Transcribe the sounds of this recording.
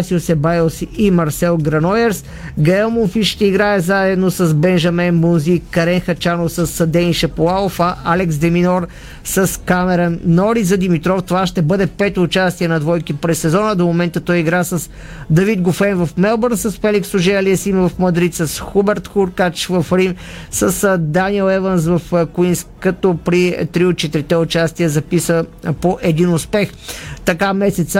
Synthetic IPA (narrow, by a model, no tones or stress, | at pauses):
siosɛbajɛlˠsiimɐɾsɛlˠɡɾɐnɔjɛɾs | ɡɐɛlˠmonfiʃt̪ɛiɡɾaɛzaɛd̪nosɐzbɛnʒɐmɛnbunzikɐɾɛnxɐt͡ʃanofsəsɐd̪ɛniʃɛpolˠaofɐʔalɛksd̪ɛminɔɾ | sɐskamɛɾɐnːɔɾizɐd̪imit̪ɾɔft̪ovaʃt̪ɛbɤd̪ɛpɛt̪oːt͡ʃast̪iɛnɐd̪vɔjkipɾɛsːɛzɔnəd̪omomɛnt̪ət̪ɔjiɡɾasəs | d̪ɐvit̪̚ɡʊfɛnvɐfmɛlˠbəɾnsəsfɛliksʊʒɛɛliəsimvəfmɐd̪ɾit̪səsxubɛɾt̪xuɾkat͡ʃvəfɾimsəsd̪aniɛlˠɛvəns̬vəfkuinskɐt̪opɾit̪ɾiot̪̚t͡ʃɛt̪iɾit̪ɛʊt͡ʃast̪iəzɐpisəpoʔɛd̪inʊspɛx | t̪ɐkamɛsɛt̪sə